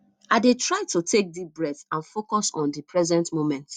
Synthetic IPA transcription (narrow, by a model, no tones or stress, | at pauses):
aɪdetɹaɪtutʰek̚dibɹɛθãnfokɔsɔ̃ndipʰɹɛzɛ̃ntmomɛ̃nt